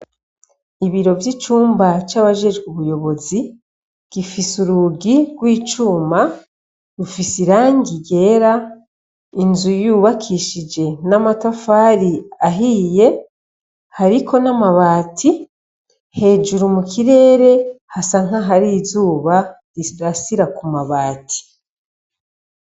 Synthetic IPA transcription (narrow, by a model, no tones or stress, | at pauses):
iβiɾo̞vjit͡ʃuːmbat͡ʃaːβaʒe̞d͡ʒɡuβujo̞βo̞zi | ɡ̥ifisuɾuɡiɡwiːt͡ʃuːma | ɾufisiɾaːŋɡiɡe̞ːɾa | inzujuβakʰiʃid͡ʒe̞namatafaːɾiaɦiːje̞ | haɾikʰo̞namaβaːtʰi | he̞ːd͡ʒuɾumukʰiɾe̞ːɾe̞hasaŋ̥aɦaɾizuːβa | ɾiɾasiɾakumaβaːtʰi̥